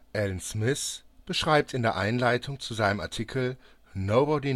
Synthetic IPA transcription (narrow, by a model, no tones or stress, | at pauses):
ʔɛlnsmɪsb̥əʃʁ̥aɪp̚tɪndeːɐʔaɪnlaɪtʰʊŋt͡suzaɪnəma̰ɐtʰiːkʰl̩ | noʊbɔdi